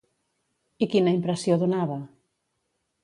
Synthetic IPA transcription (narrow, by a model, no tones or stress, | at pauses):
ikinaimpɾesjoðonaβɐ